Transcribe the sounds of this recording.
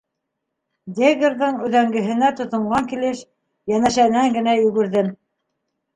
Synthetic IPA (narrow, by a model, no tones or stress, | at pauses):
d̪ʲeɡeɾðɤɴʉðæŋɡɘ̆ɦɘ̆næt̪ŏθŏɴɢɑŋkilɘʃ | jænæʃænæŋɡɘ̆næjɵ̆ɡɘ̆ɾðɘm